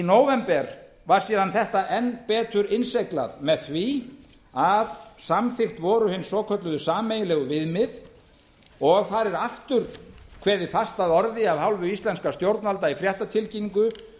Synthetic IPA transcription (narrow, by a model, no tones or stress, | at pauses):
inoːwvɛmpɛɾ | vaɾ̥siːðanθɛht̪aʔɛnːpɛːt̪ʏɾɪnsejkla̰ðmɛðθvi | aðsamθɪxt̪vɔːɾʏhɪnːsɔːkʰœt̪lʏðʏsaːmejɪlɛːɣʏvɪðmɪð | ɔɣθaɾɛɾaft̪ʏɾkʰvɛːðɪ̥fast̪aðɔɾðɪaðhawlvʏist̪lɛnskast̪jowɾt̪nvalt̪aifɾjaht̪at̪ʰɪlciniŋkʏ